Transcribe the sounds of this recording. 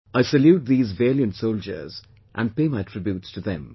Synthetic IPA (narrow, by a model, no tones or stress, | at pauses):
aɪsɨljut̚ðiːzveɪljə̃ntsoʊlˠd͡ʒə̰˞z | ʔə̃npeɪmaɪtʰɹ̥ɪbjutstʰɨðɛ̰̃m